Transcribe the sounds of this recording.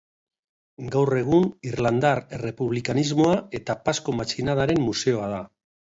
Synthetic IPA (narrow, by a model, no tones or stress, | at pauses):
ɡawre̞ɣ̞unirland̪arere̞puβlikanizmo̞ae̞t̪apasko̞mat͡ʃinaðaɾe̞mːuse̞o̞að̞a